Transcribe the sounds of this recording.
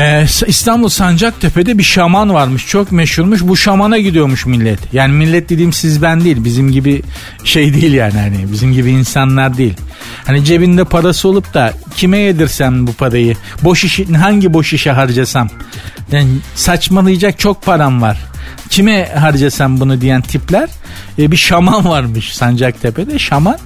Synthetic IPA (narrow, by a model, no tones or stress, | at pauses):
ɛsist̪ʰanbulˠsand͡ʒak̚t̪ʰepʰe̞d̪ɛbiʃamanvaɾmɯʃt͡ʃʰo̞kmeʃhuɾmuʃ̬buʃamanaɟid̪ijo̞ɾmuʃmilʲːɛt̪ʰjaːnimilʲːɛt̪̚d̪e̞d̪iːmsizbænd̪ijːilʲbizimɟibi | ʃejd̪ijlʲjaːnihanɪbizimɟibiːnsanlˠaɾd̪iːilʲ | hanid͡ʒe̞bind̪ɛpʰaɾasɯo̞lˠup̚d̪acʰimɛjed̪iɾsæmbupʰaɾajɯbo̞ʃiʃinɦaɲɟibo̞ʃiʃɛɦaɾd͡ʒasamjaːnsat͡ʃmalˠɯjd͡ʒak̚t͡ʃʰo̞k̚pʰaɾanvaɾ̥ | cʰimɛɦaɾd͡ʒasæmbunud̪ijænt̪ʰiplʲæɾ̥ | biʃamanvaɾmɯʃsand͡ʒak̚t̪ʰepɛd̪ɛʃaman